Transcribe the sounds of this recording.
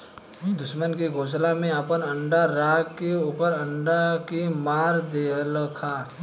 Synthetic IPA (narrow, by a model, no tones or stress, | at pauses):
d̪ʊʃmənkiɡʱoːslamẽəpənɐ̃ɳɖaɾaːɡkeuːpəɾɐ̃ɳɖakimaːɾd̪eːləkʰaː